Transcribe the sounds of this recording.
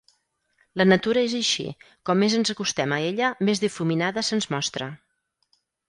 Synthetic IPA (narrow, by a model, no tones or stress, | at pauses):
lənət̪uɾəezəʃḭ | kɔmːezənzəkust̪ɛməeʎəmezðifuminaðəsənzmɔst̪ɾə